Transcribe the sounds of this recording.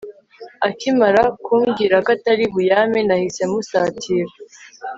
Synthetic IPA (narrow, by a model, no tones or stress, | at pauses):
akimaɾakʰuːmɡiɾakataɾiβujaːmenahise̞musaːtʰiɾa